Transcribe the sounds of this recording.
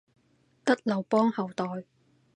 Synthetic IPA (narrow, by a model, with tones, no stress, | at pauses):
t̪ɐ˥t̚lɐ˨˩wpɔː˥ŋhɐ˨˩wt̪ɔː˨j